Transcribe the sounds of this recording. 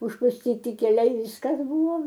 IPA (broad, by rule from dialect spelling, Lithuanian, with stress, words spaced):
ʊʃpʊsʲˈtʲiːtʲɪ kʲɛˈlʲɛɪ ˈʋʲɪskɐs ˈbʊʋoː